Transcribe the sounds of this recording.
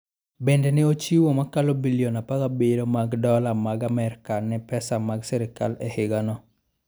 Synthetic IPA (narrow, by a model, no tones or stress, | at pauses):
bendɛnɪot͡ʃiwomakalobiliɔnapakabeɾomaɡdɔlamaɡamɛɾkanɛpɛsamaɡsɛɾɪka̰lɛhɪɡanɔ